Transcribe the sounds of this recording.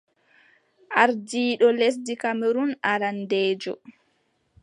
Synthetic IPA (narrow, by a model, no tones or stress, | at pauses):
ʔaɾdiːɗɔles̬dikameɾunaɾandeːd͡ʒɔ̰